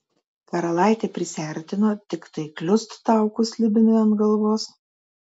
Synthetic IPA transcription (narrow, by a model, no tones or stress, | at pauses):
kʲɐɾɐlˠɑˑɪt̪ʲeːpʲɾʲɪsʲæˑɾʲt̪ʲɪnoːt̪ʲɪkt̪ɐɪklʲʊst̪ːɑˑʊkʊslʲɪbʲɪnʲɪɐnt̪ɡɐlˠʋoːs